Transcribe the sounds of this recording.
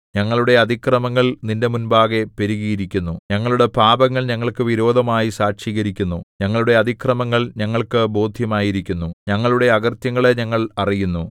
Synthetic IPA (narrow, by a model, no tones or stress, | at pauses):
ɲɐŋːɐɭuɽe̞ɐd̪ʱikrɐmɐŋːɐɭninde̞munbaːɣe̞pe̞ɾiɣijiɾikʲːunːuɲɐŋːɐɭuɽe̞paːbɐŋːɐɭɲɐŋːɐɭkɨʋiɾo̞ːd̪ʱɐmaːjisaːʂiːɣɐɾikʲːunːuɲɐŋːɐɭuɽe̞ɐd̪ʱikrɐmɐŋːɐɭɲɐŋːɐɭkɨbo̞ːd̪ʱjɐmaːjiɾikʲːunːuɲɐŋːɐɭuɽe̞ɐɣɐrt̪jɐŋːɐɭe̞ɲɐŋːɐɭɐrijunːu